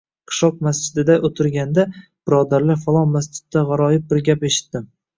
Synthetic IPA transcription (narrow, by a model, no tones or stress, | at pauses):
qʰɨ̥ʃɒq̚mas̬d͡ʒɪd̪ɪd̪aʔot̪ʰɪɾɡʲand̪ab̥ɪɾɒd̪aɾlɪfalˠɒnmast͡ʃɪ̥d̪ːaʁɑɾɒjɪp̚bɪɾɡʲape̞ʃɪ̥t̪ːɪm